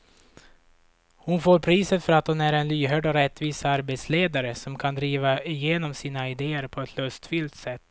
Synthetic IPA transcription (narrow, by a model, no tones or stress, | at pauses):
hʊnfoːɾpʰɾiːsət̪fœɾat̪hʊnæɾɛnlyːɦœːɖɔɾɛt̪ːviːsaɾbɛt̪sleːd̪aɾəsɔmkʰand̪ɾiːvaɪjeːnɔmsiːnaɪd̪eːəɾpʰɔɛt̪ʰlɵst̪fʏlt̪sɛt̪ː